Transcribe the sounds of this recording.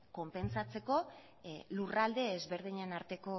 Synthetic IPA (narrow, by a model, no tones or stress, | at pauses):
ko̞mpe̞nsat͡se̞ko̞ | lurald̪e̞ːzβe̞ɾð̞iɲenaɾt̪e̞ko̞